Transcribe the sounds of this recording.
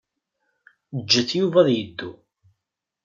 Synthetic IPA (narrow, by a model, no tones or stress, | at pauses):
d͡ʒːəθjuvæðjəd̪ːu